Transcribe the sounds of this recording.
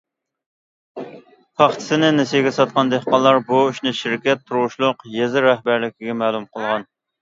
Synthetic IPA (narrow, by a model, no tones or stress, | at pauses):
pʰɑχt̪ʰɪ̥sɪnɪnesɡʲɛsɑt̪̚qɑnd̪ehqɑlˠːɑɾbuyʃnɨʃiɾkʲɛt̪ʰːuɾwuʃlˠʊqjezɪɾɛhbæɾlɪkʲʰiɡʲɛmɛːlˠumqʰəlˠʁɑn